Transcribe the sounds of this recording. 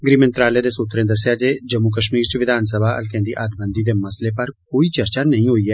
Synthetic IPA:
ɡɾiːmɪ̃nt̪ɾaːled̪eːsʊt̪ɾẽd̪ɐsjad͡ʒeːd͡ʒəmːukəʃmiːɾt͡ʃʋɪd̪ʱaːnsəbʱaɐ̰lkɛ̃nd̪ḭːʔaːd̪bə̃nd̪id̪eːmɐslepɐɾkoːit͡ʃɐɾt͡ʃanɐɦĩɦoːiɦɛː

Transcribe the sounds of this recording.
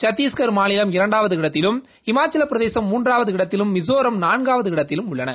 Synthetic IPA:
t͡ʃɐt̪ːiːskɐɾmaːnɪlɐmɪɾɐɳɖaːʋɐðɯkɪɽɐt̪ːɪlɯm | ɪmaːt͡ʃɐlɐpːɪɾɐðeːsɐmːuːndraːʋɐðɯkɪɽɐt̪ːɪlɯmːɪs̬oːɾɐmnaːnɡaːʋɐðɯkɪɽɐt̪ːɪlɯmʊɭːɐnɐ̰

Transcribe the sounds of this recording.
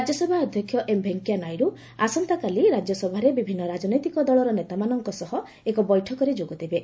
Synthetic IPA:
d͡ʒjɔsebʱaɔd̪ʱjɔkʰjɔʔembʱeŋkjanajɾu | asɔnt̪akaliɾad͡ʒjɔsɔbʱaɾebibʱinːɔɾad͡ʒɔnɔjt̪ikɔd̪ɔɭɔɾɔnet̪amanɔŋkɔsɔɦɔ | ekɔbɔjʈʰɔkɔɾed͡ʒoɡut̪ibe

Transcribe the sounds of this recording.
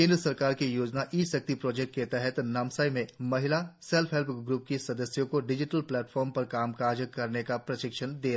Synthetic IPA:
kẽːnd̪ɾəsɐɾkaːɾkijoːd͡ʒnaʔisɐk̚t̪ipɾɔːd͡ʒek̚ʈket̪ɛɦɛt̪nɐmsajmẽmɐɦɪlaselpʰɦelpɡɾuːp̚kisɐd̪əsjõkoɖɪd͡ʒɪʈəlplɛːʈfʰɔːɾmpɐɾkaːmkaːɾd͡ʒəkɐɾnekapɾɐʃɪkʃʰənd̪eː

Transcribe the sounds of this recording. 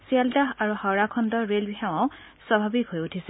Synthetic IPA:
sialdaɦaɹuhawɹakʰɔndɔɹelbiɦaw̃ãʊ̃ | swabʱabikɦojutʰisɛ

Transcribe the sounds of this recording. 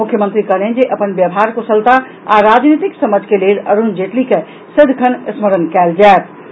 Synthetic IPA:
mukʰjəmənt̪ɾikəɽend͡ʒeʔəpənbjəbɦaɾkosəlt̪a | a̰ɾad͡ʒnit̪iksəməd͡ʒʱkeleləɾund͡ʒeʈlike | sɪd̪ʱkʰənəsməɾənkɛld͡ʒaet̪̚ʰ

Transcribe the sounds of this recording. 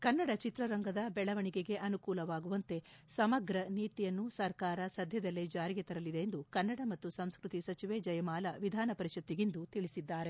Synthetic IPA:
kɐnːɐɽɐt͡ʃit̪ɾɐɾɐŋɡɐd̪ɐbɛɭɐʋɐɳiɡe̞ɡe̞ʔɐnukuːlɐʋaːɡuʋɐnt̪e̞sɐmɐɡɾɐniːt̪ijɐnːusɐɾkaːɾɐsɐd̪ʱjɐd̪ɐlːed͡ʒaːɾiɡet̪ɐɾɐlid̪eːnd̪ukɐnːɐɽɐmɐt̪ːusɐ̃mskɾut̪isɐt͡ʃiʋed͡ʒɐjɐmaːlɐʋid̪ʱaːnɐpɐɾiʃɐt̪ːiɡind̪ut̪iɭisid̪ːaːɾe̞

